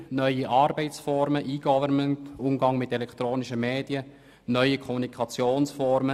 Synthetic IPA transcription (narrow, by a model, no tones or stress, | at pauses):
nœʏiʔɑːɾbɛɪt͡sfɔɾməʔiːɡ̥ɔvəɾməntʊmɡɑŋmɪtɛlɛkʰt̪ɾoːniʃəmeːdjə | nœʏəkʰχɔmunikʰɑt͡sjoːnsfɔɾmə